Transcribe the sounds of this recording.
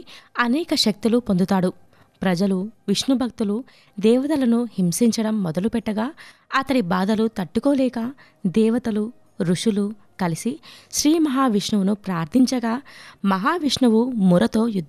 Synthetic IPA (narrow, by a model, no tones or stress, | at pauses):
ɐnɛːkɐʃɐk̚t̪ilupond̪ut̪aːɽu | pɾɐd͡ʒɐluʋiʂɳubʱɐk̚t̪ulu | d̪ɛːʋɐt̪ɐlɐnuhimsiɲt͡ʃɐɽɐmːɔd̪ɐlupɛʈːɐɡaːɐt̪ɐɽibaːd̪ɐlut̪ɐʈːukoːlɛːkɐ | d̪ɛːʋɐt̪ɐlu | ɾuʂulu | kɐlisiʃɾiːmɐɦaːʋiʂɳɐʋunupɾaːɾt̪ʰiɲt͡ʃɐɡaːmɐɦaːʋiʂɳɐʋumuɾɐt̪o̞ːjud̪ʱː